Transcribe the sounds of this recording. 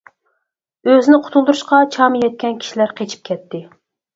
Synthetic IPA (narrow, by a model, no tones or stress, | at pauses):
øzɪnɪqʰʊ̥t̪ʰulˠd̪uɾuʃqɑt͡ʃʰɑmjɛt̪̚kʲʰɛnkʲʰi̥ʃilæɾqʰet͡ʃʰi̥p̚kʲʰɛt̪ːɪ